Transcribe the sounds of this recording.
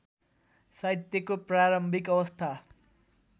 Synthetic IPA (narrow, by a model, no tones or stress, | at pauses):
sajt̪jʌkopraɾʌmbʱikʌwʌst̪ʰa